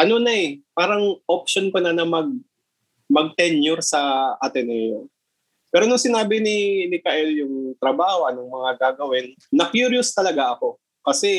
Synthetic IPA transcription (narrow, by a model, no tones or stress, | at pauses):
ʔɐno̞nɐʔɛpaːɾɐŋʔop̚ʃonkonɐnɐmɐɡ̚ | mɐɡ̚t̪ɛnjʊɾsɐʔat̪ɪnɐjo̰n | pɛːɾo̞nʊŋsɪnaːbɪnɪnɪkaʔɛljʊŋt̪ɾɐbaːhoʔɐnoŋmɐŋaɡaːɡɐwɛnːɐpjuɾjʊst̪ɐlɐɡaʔɐko̞ | kɐsɛ